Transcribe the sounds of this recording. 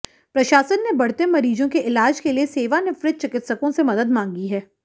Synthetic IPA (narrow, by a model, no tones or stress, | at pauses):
pɾɐʃaːsənːebɐɽ̤t̪emɐɾiːd͡ʒõkeʔɪlaːd͡ʒkelieseːʋanɪfɾɪt̪̚t͡ʃɪkɪt̪səkõsemɐd̪əd̪mãːŋɡiɦɛː